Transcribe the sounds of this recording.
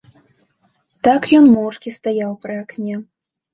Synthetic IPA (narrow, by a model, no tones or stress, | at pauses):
t̪akjɔnmɔwt͡ʂkʲist̪ajawpɾɨaknʲɛ